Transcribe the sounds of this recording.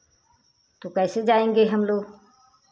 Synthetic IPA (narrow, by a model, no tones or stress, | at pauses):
t̪uːkɛːseːd͡ʒaːẽːŋɡeːɦəmloː